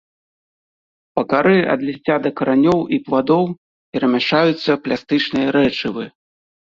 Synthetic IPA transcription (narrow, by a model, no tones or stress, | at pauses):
pɐkaɾɨɐ̰d̪lʲisʲt͡sʲad̪ɐkɐɾanʲɔwipvad̪ɔw | pʲɛɾɐmʲaʂajut̪sːɐplʲast̪ɨt͡ʂnɨjɐɾɛt͡ʂɨvɨ